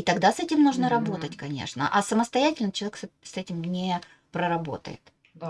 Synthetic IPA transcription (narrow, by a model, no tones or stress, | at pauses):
it̪ɐɡd̪asɛtʲɪmnuʐnəɾɐbo̞t̪ətʲkɐnʲḛʂnə̰ʔɐsəməst̪ɐjætʲɪlʲnət͡ɕɪlˠɐvʲksɛtʲɪmnʲɪ | pɾəɾɐbo̞̰t̪ə̰jɪ̰t̪